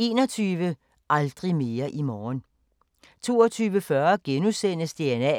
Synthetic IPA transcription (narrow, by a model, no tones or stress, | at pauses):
e̝ːnɒt͡sʰyːʋə | ʔɑ̈ld̥ʁime̝ːɐʔimɒːn | t͡sʰo̝̰ːɐt͡sʰyːʋəfɶɐɡ̥enusen̰əsd̥e̝enɛ̰